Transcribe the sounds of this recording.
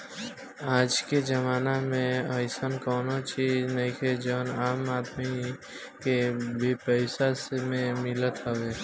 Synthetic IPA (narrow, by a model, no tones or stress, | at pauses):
aːd͡ʒked͡ʒəmaːnamẽəɪsənkɔːnot͡ʃiːznɐĩkʰed͡ʒɔːnaːmaːd̪mi | kebʱipɛɪsasemẽmɪlət̪ɦəʋeː